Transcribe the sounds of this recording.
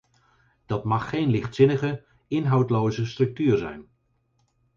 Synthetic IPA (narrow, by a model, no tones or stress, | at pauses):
d̥ɑtmɑχːejnlɪχtsɪnəχə | ɪnɦɑwtlowzəstrɵk̚tyːɹzɛ̰jn